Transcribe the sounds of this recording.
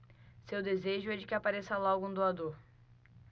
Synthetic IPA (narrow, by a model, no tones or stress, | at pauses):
sewd̪ezeʒʊɛd͡ʒɪkɪapaɾesɐalɔwɡʊũd̪oad̪oɾ